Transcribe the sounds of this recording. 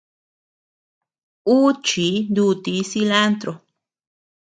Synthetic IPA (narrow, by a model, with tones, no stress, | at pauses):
u˦t͡ʃi˨˦nd̪u˧t̪i˨˦si˧la˦nt̪ɾo˨